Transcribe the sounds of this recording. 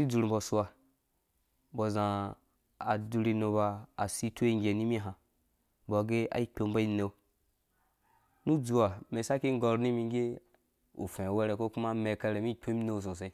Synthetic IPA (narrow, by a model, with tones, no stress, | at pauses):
i˦d͡zu˨ɾ̩˨bɔ˨su˦a˨ | bɔ˨zã˨ | a˨du˧ɾi˧no˧ba˧a˨si˦to˦i˦˨ŋ˦ɡʲe˨ni˦mi˦ɦã˨ | bɔ˨ɡe˦a̰˨i˦k͡pʲo˧˨mba˦i˦ne˦˨˦ | nu˦d͡zu˨wa˨me˨sa˦ki˦ŋ˦ɡɔ˧ɾni˦mi˧˦ɡʲe˦ | ṵ˨fẽ˨we˦ɾe˨ko˦ku˦ma˦me˨ka˦ɾe˨mi˦˨k͡pʲe˦mi˦no˦˨s̬õ˨sẽ˨˦